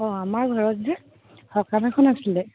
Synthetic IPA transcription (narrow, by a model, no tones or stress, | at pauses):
ɔamaɹɡʱɔɹɔtzɛ | hɔkɹamɛkʰɔnasilɛ